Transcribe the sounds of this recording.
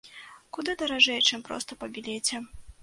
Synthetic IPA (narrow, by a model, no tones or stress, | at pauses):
kud̪ɨd̪ɐɾaʐɛjt͡ʂɨmpɾɔ̰st̪ɐpɐbʲilʲeɛt͡sʲɛ